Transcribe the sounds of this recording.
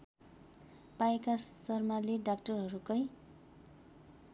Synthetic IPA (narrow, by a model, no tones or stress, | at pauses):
paekasʌrmaleɖakʈʌrɦʌɾukʌj